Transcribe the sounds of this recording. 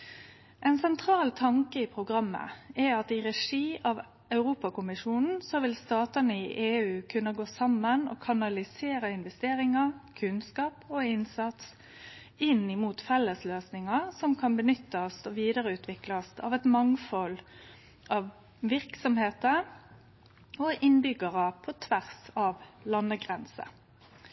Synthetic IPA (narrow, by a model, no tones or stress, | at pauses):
ʔɛɪnsɛnt̪ʰɾɑːlt̪ʰɑŋkəɪpʰɾʊɡɾɑmːə̰ɛɑt̪ɪʁɛʂiːʔɑʋ | ɑʉɾuːpɑkʊmɪʂuːnn̩sɔʋɪlst̪ɑːt̪ənəɪʔeːʉːkʰʉnːəɡoːsɑmːənɔ̰kʰɑnɑlɪseːɾəɪnʋɛst̪eːɾɪŋɑkʰʉnskɑːpɔɪnsɑt̪s | ɪnɪmuːt̪fɛlːəsløːsnɪŋɑsɔmkʰɑnbənʏt̪ːəsɔʋiːd̪əɾəʉːt̪ʰʋɪklɑst̪ɑ̰ʋɛt̪mɑŋfɔl | ʔɑʋ | ʋɪɾksɔmheːt̪ə | ɔʔɪnbʏɡəʁəpʰɔt̪ʰʋæʁsɑʋlɑnːəɡʁɛnsə̰